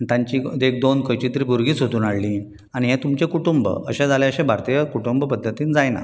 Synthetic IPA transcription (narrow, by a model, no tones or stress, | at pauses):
ait̪jãɲt͡ɕid̪ek̚d̪onkəjt͡ɕiːt̪əɾiːbʱuɾɡiːt͡sɦot̪uːnaɽlĩː | aɽ̃iɦẽt̪umt͡ɕekuʈumbə̰ə̰ɕẽd͡zaljaəɕẽbʱaɾt̪ijəkuʈumbpəd̪ʱːət̪iːnd͡zajna̰